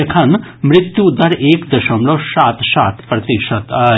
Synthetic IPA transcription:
ekʰɐnmɾɪt̪jud̪ɐɾʔeːkd̪ɐʃɐmlosaːt̪saːt̪pɾɐt̪iʃɐd̪

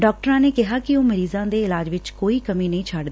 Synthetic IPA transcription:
ɖɔːk̚ʈəɾãːneːkɪɦaːkɪoːməɾiːzãːd̪eːɪlaːd͡ʒʋɪt͡ʃkoːiːkəmĩːnəɦĩːt͡ʃʰaɖd̪ː

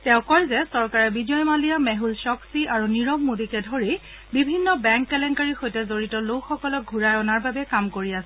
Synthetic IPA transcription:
tɛʊ̃kɔɹzɛsɔɹkaɹɛbid͡ʒɔjmalijamɛɦulsɔksiʔaɹuniɹɔbmudikɛdʱoɹi | bibʱinːɔbɛŋkːɛlɛnkaɹixojtɛzoɹitɔlokxɔkɔlɔk̚ɡʱuɹajɔnaɹbabɛkamkoɹiasɛ

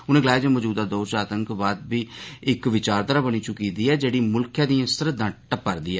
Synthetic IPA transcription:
ʊnẽːɡəlaːd͡ʒãːmɔd͡ʒuːd̪aːd̪oːt͡ʃaːt̪əŋkbaːd̪biːɪkʋɪt͡ʃaːɾt̪əɾaːbəñiːt͡ʃʊkiːd̪iːɛːd͡ʒeːɽiːmʊlkʰjãːd̪iːãst̪əɾd̪ə̃ʈəpəɾd̪iːɛː

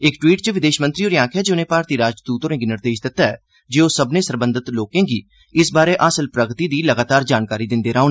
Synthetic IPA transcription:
ɪkʈwiːʈt͡ʃəʋɪd̪eːʃmənt̪ɾiːoːɾjãːkʰɛːd͡ʒeʊnẽːpaːɾt̪iːɾaːd͡ʒd̪uːt̪õːẽːɡinɪɾd̪eːʃd̪ɪt̪ːaːɛ̰ː | d͡ʒeːoːsəbnẽːsəɾbə̃nd̪ɪt̪loːkẽːɡiː | ɪsbaːɾeːʔaːsəlpɾəɡt̪iːd̪iːləɡaːt̪aːɾd͡ʒaːnkaːɾiːd̪ɪnd̪eːɾaːõːneː

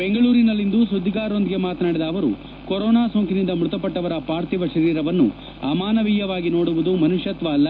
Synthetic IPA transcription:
beŋɡɐɭuːɾinɐlːind̪usud̪ʱːiɡaːɾo̞nd̪iɡe̞maːt̪naːɽid̪ɐːʋɐɾṵ | koɾɔːnaːsoːŋkinind̪ɐmɾut̪ɐpɐʈːɐʋɐɾɐpaːɾt̪iʋɐʃɐɾiːɾɐʋɐnːṵ | ɐmaːnɐʋiːjɐʋaːɡino̞ːɽuʋud̪umɐnuʃjɐt̪ʋalːɐ

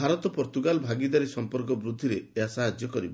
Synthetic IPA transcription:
aɾɔt̪ɔpɔɾt̪uɡalbʱaɡid̪aɾisɔmpɔɾkɔbɾud̪ʱːiɾeasaɦad͡ʒjɔkɔɾibɔ

